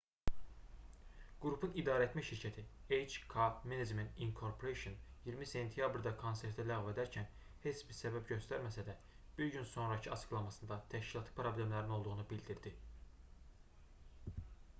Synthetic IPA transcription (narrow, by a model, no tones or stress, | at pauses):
ɡ̥ɾupʰunid̪ɑːɾæet̪mæʃiɾcʰæt̪ʰiejd͡ʒkʰɑbmined͡ʒment̪iŋkʰoɾpʰoɾeʃonjiɾmise̞nt̪ʰijɑbɾd̪ɑkʰo̞nseɾt̪ʰælæɣve̞d̪æɾcʰæn | he̞t͡ʃbiɾsæbæbɟø̞st̪æɾmæsæd̪æ | b̥iɾɟynso̞nɾɑcʰiɑt͡ʃʰɯ̥ɡlˠɑmɑsɯnd̪ɑt̪ʰæʃcilˠɑt̪ʰˠɯ̥pʰɾoblemlæɾino̞lˠd̪uʁunubild̪iɾd̪i